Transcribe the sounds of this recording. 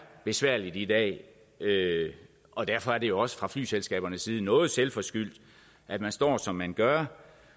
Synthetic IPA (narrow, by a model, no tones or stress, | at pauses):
b̥e̝sʋæɐ̰lid̥id̥ɛ̰ː | ø | ʔɒ̽d̥æɐfɒ̽æɐd̥e̝jo̝ɒ̽sə̥fʁɑ̈fly̰ːselsɡ̥ɛ̰ːb̥ɐnəsiːð̞̩ˠnɔ̽ːð̞̩ˠselfɒ̽sɡ̥yl̰d̥ | ʔæd̥mænsd̥ɒ̰ːsɒ̽mːænɡ̥ɶɐ